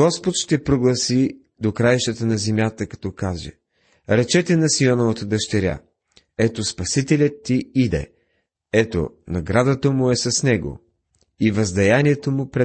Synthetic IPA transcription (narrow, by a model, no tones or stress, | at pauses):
ɔspot̪ʃt̪ɛpɾoɡlˠɐsi | d̪okɾaɛʃt̪ət̪ənɐzɛmʲjat̪əkɐ̥t̪ɔkazɛ̰ | ɾɛt͡ʃɛt̪ɛnɐsiɔnovət̪əd̪ɐʃt̪ɛɾʲa̰ | ɛt̪ospɐsit̪ɛlʲət̪ːiid̪ɛ̰ | ɛt̪o̰ | nɐɡɾad̪ət̪əmʊɛsɐsnɛɡo̰ | ivɐzd̪ɐjaniɛt̪omʊpɾɛ